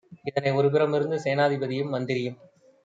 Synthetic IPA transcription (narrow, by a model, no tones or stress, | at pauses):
ɪðɐnɐɪɔɾɯp̬ɪɾɐmɪɾɯnd̪ɯseːnaːðɪbɐðɪjɯmːɐnd̪ɪɾɪjɯm